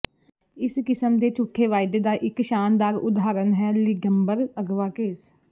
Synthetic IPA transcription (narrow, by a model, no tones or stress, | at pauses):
ɪskɪsəmd̪eːt͡ʃʊʈʰːeːʋaːɪd̪eːd̪aːʔɪkʃaːnd̪aːɾʊd̪ɦaːɾənɦɛːlɪɡəmbəɾəɡʋaːkeːs